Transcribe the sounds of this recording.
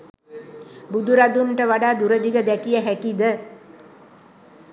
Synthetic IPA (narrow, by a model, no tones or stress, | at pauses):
bud̪uɾad̪unʈəʋaɖaːd̪uɾəd̪iɡəd̪ɛkijəɦækid̪ə